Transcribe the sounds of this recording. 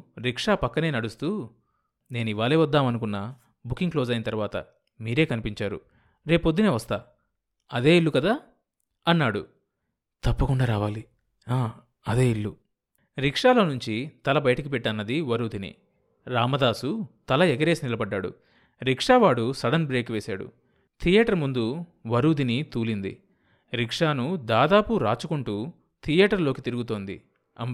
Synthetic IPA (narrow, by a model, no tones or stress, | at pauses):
ɾikʂaːpɐkːɐne̞ːnɐɽust̪uː | neːnuiʋaːleːʋɐd̪ːaːmɐnukunːɐ | bukːiŋkloːzɐjinɐt̪ɐɾuʋaːt̪ɐ̰ | miːɾe̞ːkɐnipiɲt͡ʃaːɾṵ | ɾe̞ːpod̪ːuneːʋɐst̪aː | ɐd̪e̞ːiɭːukɐd̪aː | ɐnːaːɽṵ | t̪ɐpːɐkuɳɖaːɾaːʋaːli | aː | ɐd̪e̞ːiɭːu | ɾikʂaːlɐnuɲt͡ʃit̪ɐlɐbɐjɐʈɐkipɛʈːɐnːɐd̪iʋɐɾuːd̪inḭ | ɾaːmɐd̪aːsut̪ɐlɐɛɡɐɾe̞ːsinilɐbɐɖːaːɽṵ | ɾikʂaːʋaːɽusɐɽɐnbɾe̞ːkʋeːsa̰ːɽṵ | t̪ʰijɛːʈɐɾmund̪uʋɐɾuːd̪init̪uːlind̪ḭ | ɾikʂaːnud̪aːd̪aːpuɾaːt͡ʃukuɳʈuː | t̪ʰijɛːʈɐɾlo̞ːkit̪iɾuɡut̪o̞ːnd̪ḭ | ɐ̰m